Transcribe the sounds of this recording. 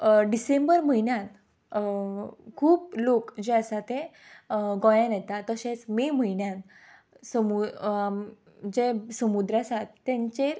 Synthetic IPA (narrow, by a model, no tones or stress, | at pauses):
ɖisẽmbəɾməɦinjãt̪ | kʰuːplokd͡ʑeəsat̪ẽ | ɡɔ̃jãnɛt̪at̪əɕẽt͡smeməinjãn | səmuam | d͡ʑesəmud̪ɾasat̪ːɛ̃ɲt͡ɕeɾ